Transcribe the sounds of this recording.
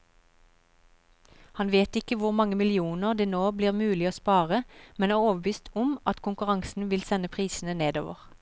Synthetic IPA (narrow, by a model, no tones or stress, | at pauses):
hɑnʋeːt̪ɪkəʋʊʁmɑŋəmɪlɪuːnəʁd̪eːnoːbliːʁmʉːlɪoːspɑːʁəmɛnæoːʁoːʋəʋyːst̪ʰʊmʔɑt̪kʰʊŋkʉʁɑŋsn̩ʋɪlsɛnəpʰʁiːsn̩əneːd̪o̰ːʋə̰ʁ